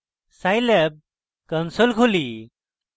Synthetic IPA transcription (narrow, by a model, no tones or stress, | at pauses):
sajlɛb̚ | kənsolkʰoli